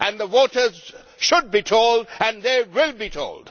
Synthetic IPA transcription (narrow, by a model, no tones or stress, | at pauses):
ʔæ̃nðəwɔːtəz | ʃʊd̚bitʰoldæ̃nðeːwɪlˠbiːtʰo̰ʊld̥